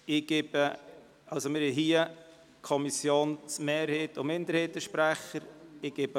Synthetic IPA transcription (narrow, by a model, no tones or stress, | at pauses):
ɪɡ̥ɪb̥ə | ɑlsomɪɾɪɦiə | kʰɔmisjoːnt͡smɛːɾheːtʊmɪndəɾheːt̚əʃpɾæχəɾɪɡ̥ɪbə